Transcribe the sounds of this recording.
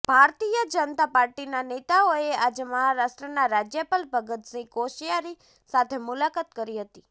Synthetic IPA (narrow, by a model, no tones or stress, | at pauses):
b̥ʱaɾt̪ijəd͡ʒənət̪apaɾʈinanet̪aoead͡ʒeməɦaɾaʃʈɾənaɾad͡ʒjəpalbʱəɡət̪sĩkoʃijaɾi | sat̪ʰemulakat̪kəɾiɦət̪i